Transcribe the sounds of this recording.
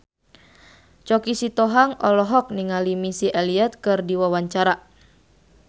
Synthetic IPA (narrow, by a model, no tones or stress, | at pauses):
t͡ʃɔkisit̪ɔɦaŋɔlɔɦɔk̚niŋalimisiʔɛliɛt̪̚kɨrdiwawaɲt͡ʃaɾa